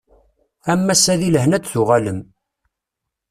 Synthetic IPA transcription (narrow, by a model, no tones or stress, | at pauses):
æmːæsæðiləhnæd̪θʊʁæləm